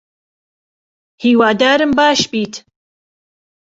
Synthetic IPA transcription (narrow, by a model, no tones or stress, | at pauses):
hiːwaːd̪aːɾɨmbaːʃbiːt̪ʰ